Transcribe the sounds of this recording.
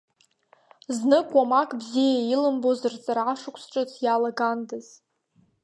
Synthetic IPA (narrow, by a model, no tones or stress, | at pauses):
znɨkʼwamakʼbzijailɨmbozɨrt͡sʼaraʂɨkʷʰsʈ͡ʂʼɨt͡sʰjalaɡandɨz̥